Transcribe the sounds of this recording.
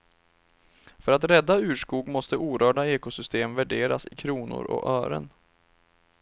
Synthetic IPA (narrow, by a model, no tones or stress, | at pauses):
fœɾat̪ɾɛd̪ːaʉ̟ːʂkuːɡmɔst̪əʔuːɾœːɖaeːkʊsʏst̪eːmvæɖeːɾa̰sɪkʰɾuːnʊ̰ɾɔ̰ʔœːɾə̰n